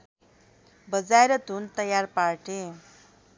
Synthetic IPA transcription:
bəd͡zajɾət̪unt̪əjaɾpaɾʈẽ

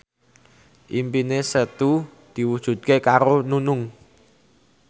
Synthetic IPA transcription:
ʔimpinesət̪u | d̪̥i̤wud̥ʒ̥ṳt̪̚kekaɾonunʊŋ

